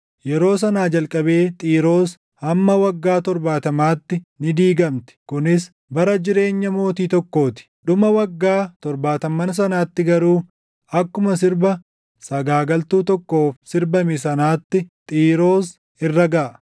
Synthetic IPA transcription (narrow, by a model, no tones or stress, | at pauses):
jɛɾo̞ːs̬ɐnaːd͡ʒɐlkʼɐbe̞ːt̪ʼiːɾo̞ːs | hɐmːɐwɐɡːaːt̪ɔɾbaːt̪ɐmaːt̪ːɪnɪd̪iːɡɐmt̪ɪ̥kʊnɪs | bɐɾɐd͡ʒɪɾe̞ːɲːɐmo̞ːt̪iːt̪ɔkːo̞ːt̪ɪ̥ɗʊmɐwɐɡːaːt̪ɔɾbaːt̪ɐmːɐns̬ɐnaːt̪ːɪɡɐɾuː | ɐkːʊmɐsɪɾbɐ | sɐɡaːɡɐlt̪uːt̪ɔkːo̞ːfsɪɾbɐmɪs̬ɐnaːt̪ːɪt̪ʼiːɾo̞ːs | ɪrːɐɡɐʔɐ